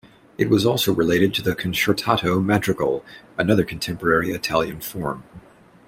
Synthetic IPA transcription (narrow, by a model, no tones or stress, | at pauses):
ɨt̚wʌzɔlˠsoʊɹɨleɪɾɨd̚tʰɨðɨkʰɨ̃nʃə˞tʰɑɾoʊmæt͡ʃɹ̥ɨkl̩ˠɨnʌðə˞kʰn̩tʰɛ̃mpə˞ɛɹiɨtʰælˠjɨ̃nfɔɹm